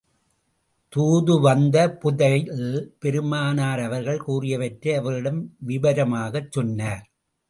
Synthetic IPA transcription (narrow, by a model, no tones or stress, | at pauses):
t̪uːðɯʋɐnd̪ɐpʊðɐɪɯpɛɾɯmaːnaːɾɐʋɐɾɣɐɭkuːrɪjɐʋɐʈɾɐɐʋɐɾɪɽɐmʋɪbɐɾɐmaːɣɐt͡ʃːɔnːaːɾ